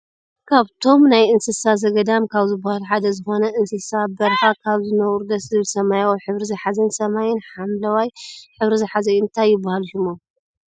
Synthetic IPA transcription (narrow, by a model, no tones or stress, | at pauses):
kʰaβt̪ʰo̞mnajɨnsɨsazɐɡɐd̪amkʰaβzɨbːahaluħad̪ɐzɨxo̞nɐʔɨnsɨsabɐɾfakʰaβzɨnɐwɾud̪ɐszɨβɨlsɐmajawħɨβɾizɐħazɐnsɐmajɪnħamlɐwajħɨβɾizɐħazɐjɨnt̪ʰajːɪbːahalʃumom